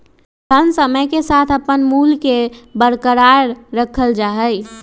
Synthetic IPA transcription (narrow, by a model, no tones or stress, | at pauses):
t̪ʰənsəməjkesat̪ʰəpənmulkebəɾkəɾaɾɾəkʰəld͡ʒaɦəj